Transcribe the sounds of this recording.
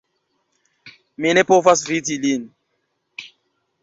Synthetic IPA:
minepovasvitilin

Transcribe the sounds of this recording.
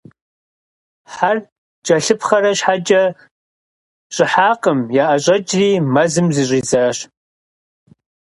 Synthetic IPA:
ħar | t͡ʃʼɐɬɨpχɐɾɐʃħad͡ʒʼɐ | ɕʼɪħaːqʼəmjaːʔɐɕʷʼɐd͡ʒʼriːmɐzɨmzɨɕʼiːzaːɕ

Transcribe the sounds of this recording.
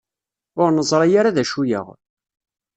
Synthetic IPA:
ʊɾnəzˤɾˤɑjaɾaðæʃujə̰ʁ

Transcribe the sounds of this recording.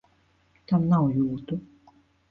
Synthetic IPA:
t̪ʰamnajuːt̪u

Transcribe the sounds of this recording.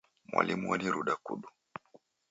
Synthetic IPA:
mwʔa̰lʔimuwaniɾuɗakuɗu

